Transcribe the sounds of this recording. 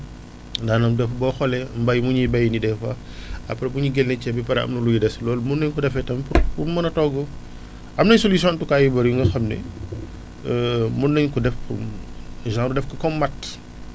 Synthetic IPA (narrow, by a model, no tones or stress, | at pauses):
daːnɐmdɛfbɔːxɔlɛmbɐjmuɲijbɐjnidɛfɐ̰ | ɐpɾɛbuɲuɡɛlnɛcɛbipɐɾɐ̰mnɐlujidɛslɔːlmunːɐɲkudɛfɛtɐmpupumɐnɐtɔɡɔ | ɐmnɐjsolisjɔ̃ntukaːjibɐɾjuŋɡɐxɐmnɛ̰ | munːɐɲkudɛfṵmʒãːɾudɛfkɐkɔmːɐtː